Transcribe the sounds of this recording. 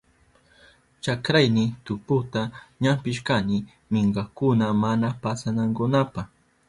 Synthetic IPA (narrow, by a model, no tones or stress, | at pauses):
t͡ʃakɾajnɪt̪ʊpʊt̪aɲampɪʃkanɪ | mɪɴɢɑkʊnamanapasanaŋkʊnapaχ